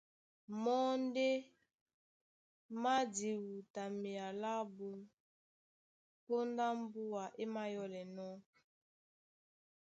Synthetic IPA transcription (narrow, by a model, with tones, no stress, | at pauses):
mɔ˦n˦de˦ | ma˦di˨wu˨ta˨mi˨a˨la˦bo˦n | po˦nda˦m˦bu˦a˨ʔe˦ma˦jɔ˦lɛ˨nɔ˦